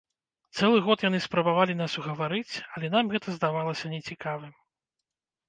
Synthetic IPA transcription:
t̪sɛlˠɨɣɔt̪janɨspɾɐbavalʲin̪asuɣɐvaɾɨt͡sʲɐlʲɛn̪amɣɛt̪ɐzd̪avalˠɐsʲɐnʲɛt͡sʲikavɨm

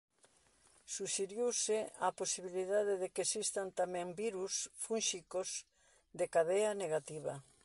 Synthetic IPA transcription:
suʃeɾjuwsɪaposiβiliðaðɪðekesist̪ant̪amɛ̃mbiɾusfunʃikoz | d̪ekaðeɐneɣat̪iβɐ

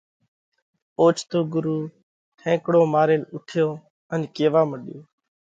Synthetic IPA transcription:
oːt͡ʃʰt̪oːɡʊɾuː | ʈʰẽːkɽoːmaːɾeːnʊʈʰɪjoː | ənkeːʋaːməɗjoː

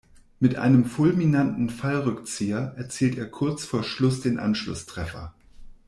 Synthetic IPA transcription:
mɪtʔa̰ɪnəmfʊlminantn̩falʁʏkt͡siːɐʔɛɐt͡siːlteːɐkʰʊɐt͡sfoːɐʃlʊsd̥eːnʔa̰nʃlʊ̰stʁ̥ɛfɐ̰

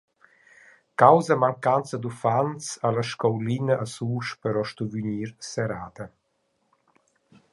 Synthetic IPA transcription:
kawzamaŋkant͡səd̪ufant͡salaʃkɔwlinaʔasuːʃpəɾɔʃt̪uvyɲiːɾsɛɾaːd̪ə

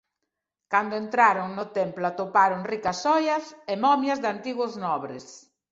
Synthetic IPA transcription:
kand̪ʊent̪ɾaɾoŋnʊt̪emplʊat̪opaɾoŋrikasɔjɐsemɔmjɐzðant̪iɣʊznɔβɾɪ̰s

